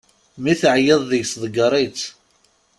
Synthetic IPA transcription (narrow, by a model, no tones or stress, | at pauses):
miθəʕjəðˤðəʝsðˤəɡəɾˤit͡s